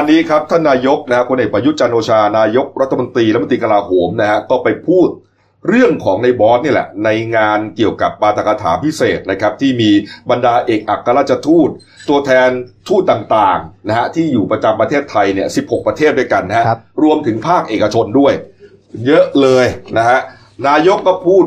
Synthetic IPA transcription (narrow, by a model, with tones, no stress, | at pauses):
ʔa˧nːiː˦˥kʰɾa˦˥p̚t̪ʰaː˥˩nːaː˧jo˦˥k̚na˦˥a˦˥kʰu˧nʔeː˨˩pɾa˧ju˦˥t̪̚t͡ɕa˧nʔoː˧t͡ɕʰaː˧naː˧jo˦˥k̚ɾa˦˥t̪ʰːmo˧nt̪ɾiː˧a˦t̪̚ːt̪ɾiː˧ka˧laː˧ɦoː˩˦mna˦˥ɦa˦˥kɔː˥˩pa˧jpʰuː˥˩t̪̚ | ɾɯ˥˩əŋkʰɔː˩˦ŋna˧jbɔː˦˥t̪̚niː˥˩lɛ̰˨˩na˧jŋaː˧nki˨˩əwka˨˩p̚ːaː˧t̪ʰa˧˩ka˧t̪ʰa̰ː˩˦pʰi˦˥seː˨˩t̪̚na˦˥kʰa˦˥p̚t̪ʰiː˥˩miː˧ba˧ndaː˧ʔeː˨˩k̚ʔa˨˩kʰːa˧ɾaː˦˥˩t̚t͡ɕʰa˧t̪ʰuː˥˩t̪̚ːu˧ət̪ʰɛː˧nt̪ʰuː˥˩t̪ːaː˨˩ŋt̪aː˨˩ŋna˦˥ha˦˥t̪ʰiː˥˩juː˨˩pɾa˧t͡ɕa˧mpɾa˧t̪ʰeː˥˩t̪ʰːa˧jni˥˩əsi˨˩p̚ho˨˩k̚pɾa˧t̪ʰeː˥˩t̪̚du˥˩jka˧nːa˦˥ha˦˥ɾu˧əmt̪ʰɯ˩˦ŋpʰaː˥˩k̚ʔeː˨˩ka˧t͡ɕʰo˧ndu˥˩əj | jɤ˦˥ʔlɤː˧jna˦˥kʰa˦˥ʔ | naː˧jo˦˥kːɔː˥˩pʰuː˥˩t̪̚